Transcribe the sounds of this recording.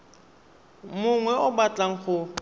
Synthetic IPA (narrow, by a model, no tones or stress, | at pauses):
mʊŋwɛʊbat͡ɬʼaŋ̩χʊ